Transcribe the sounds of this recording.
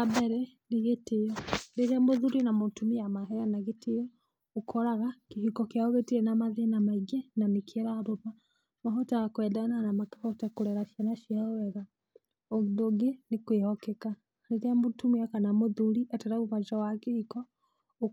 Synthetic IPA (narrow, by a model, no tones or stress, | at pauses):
abɛɾɛneɣetejɔndeteamoðuɾinamotumiamaɦɛjanaɣetejɔ | okʰɔɾaɣakeɦikɔkeaoβetiɛnamaðenamaiɡɛnamikʰɛɾaɾoma | maɦɔtaɣakwɛdananamakɛkɔtakoɾɛɾaʃianaʃiaowɛɣa | odoɡenekwehɔkɛka | deteamotumiakanamoðuɾiʔatɛɾaɣumat͡ʃawakehikɔ